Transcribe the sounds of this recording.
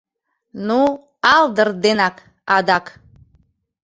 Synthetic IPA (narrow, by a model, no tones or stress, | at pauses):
nu | ɑld̪ərd̪enɑk | ɑd̪ɑk